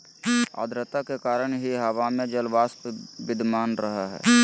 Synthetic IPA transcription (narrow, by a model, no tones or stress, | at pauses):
a̰ːd̪ɾət̪akekaːɾəɽ̃ɦiɦɐʋamẽd͡ʒəlʋaːspbɪd̪ʱmaːnɾɐɦaɦɛ̰ː